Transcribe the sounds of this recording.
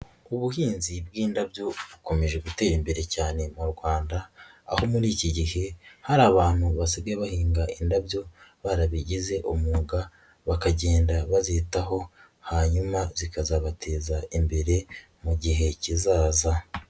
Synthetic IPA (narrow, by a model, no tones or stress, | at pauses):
uβuhiːnzibɡiːndabjo̞βuko̞me̞ʒe̞ɡute̞ːɾimbe̞ɾe̞caːne̞muɾɡwaːnda̰ː | ho̞muɾiːciɟihe̞haɾaːβaːn̥huβasiɡeβahiːŋɡaʔindabjo̞βaɾaβiɟize̞ʔomuːɡa | βakaɟeːndaβazitaɦo̞ | haɲumazikazaβatʰe̞ːzaimbe̞ɾe̞ | muɟiɦe̞cizaːza